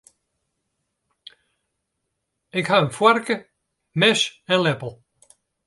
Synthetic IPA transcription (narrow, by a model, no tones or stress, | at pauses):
ɪɡhaənfwaɾkə | mɛʃɛ̃nlɛpl̩ˠ